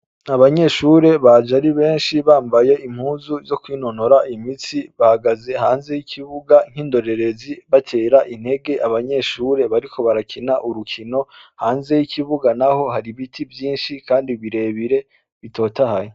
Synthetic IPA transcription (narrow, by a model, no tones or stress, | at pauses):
aβaɲe̞ʃuɾe̞βad͡ʒaɾiβe̞ːnʃiβaːmbaje̞im̥huːzuzo̞kwiːno̞noɾaʔimisiβahaɡaze̞ɦaːnze̞jikʰiβuɡaŋ̥hiːndo̞ɾe̞ɾe̞ziβatʰe̞ːɾaʔin̥e̞ɡe̞ʔaβaɲe̞ʃuɾe̞βaɾikʰo̞βaɾakʰinaʔuɾukʰino̞haːnze̞jikiβuɡanaho̞haɾiβitʰivjiːnʃikaːndiβiɾe̞βiɾe̞ | βito̞ːtahajo